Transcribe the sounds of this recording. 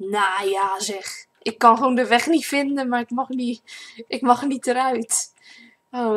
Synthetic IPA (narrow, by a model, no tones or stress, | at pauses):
naːjazɛx | ʔɪkːɑnxʋoːndəʋɛxnitfɪndənmarɪkmɑxniʔɪkmɑxənitəɾœɥt | o